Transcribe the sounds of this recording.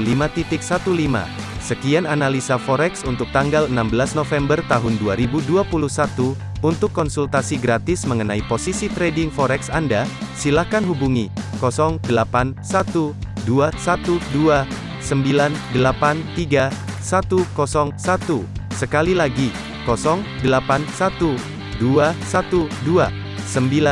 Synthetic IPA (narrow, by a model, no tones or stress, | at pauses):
limat̪it̪ɪk̚sat̪ulima̰ | səkiananalisafɔɾɛksunt̪ʊk̚t̪aŋɡalənambəlasnofɛmbərt̪aɦʊnduaɾibuduapuluhsat̪u | unt̪ʊkːɔnsult̪asiɡɾat̪ɪsməŋənaiposisit̪ɾɛdɪŋfɔɾɛksandasilahkanɦubuŋikɔsɔŋdəlapansat̪uduasat̪udua | səmbilandəlapant̪iɡasat̪ukɔsɔŋsat̪usəkalilaɡi | kɔsɔŋdəlapansat̪u | duasat̪udua | səmbila